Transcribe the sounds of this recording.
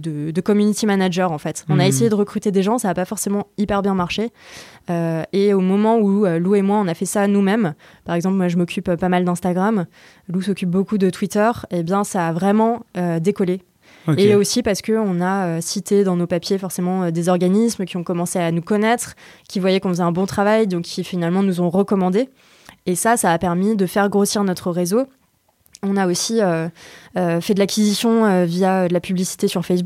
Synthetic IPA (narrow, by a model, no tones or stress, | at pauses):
d̪əd̪əkɔmynit̪imanaʒœʁɑ̃fɛt̪ɔ̃naes̬ejed̪əʁəkχyt̪ed̪eʒɑ̃saːpafɔʁsemɑ̃ipɛʁbjɛ̃maʁʃeøeomɔmɑ̃uøluemwaɔ̃nafɛsaːnumɛm | paʁɛɡzɑ̃p̬lmwaʒəmɔkʲypøpamald̪ɛ̃st̪aɡʁam | lusɔkʲyp̚bokud̪ət̪wit̪œʁebjɛ̃saːvʁɛmɑ̃ød̪ekɔle | eosipaʁsə̥kəɔ̃naøsit̪ed̪ɑ̃nopapjefɔʁsemɑ̃ød̪ezɔʁɡanismkʲiɔ̃kɔmɑ̃seanukɔnɛt̪χkʲivwajɛkɔ̃fəzɛɛ̃bɔ̃t̪χavajd̪ɔ̃kʲːifinalmɑ̃nuzɔ̃ʁəkɔmɑ̃d̪e | esasaːpɛʁmid̪əfɛʁɡʁosiʁnɔt̪χəʁezo | ɔ̃naosiøøfɛd̪əlakʲizisjɔ̃øvijaød̪əlapyblisi̥t̪esyʁfɛsbu